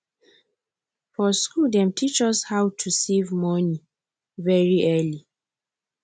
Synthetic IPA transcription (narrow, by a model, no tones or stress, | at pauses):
fɔskuldɛ̃mtʰit͡ʃɔshawtʰusevmɔni | vɛɹiʔɛli